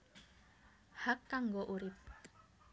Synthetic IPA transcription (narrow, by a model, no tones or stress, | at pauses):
hakːaŋɡoʔuɾɪp̚